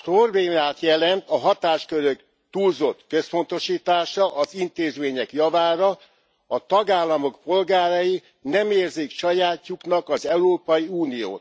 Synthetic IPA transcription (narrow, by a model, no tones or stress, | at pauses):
prorbeːmaːt̪jɛlɛnt̪ɒɦɒt̪aːʃkøɾøk | t̪uːlzo̞t̪kø̞spo̞nt̪o̞ʃiːt̪aːʃɒʔɒzint̪eːzmeːɲɛkjɒvaːɾɒ | ɒt̪ɒɡaːlːɒmo̞kpo̞lɡaːɾɒji | nɛmeːrzikʃɒjaːcːuknɒkɒzɛuɾoːpɒjiuːnijo̰ːt̪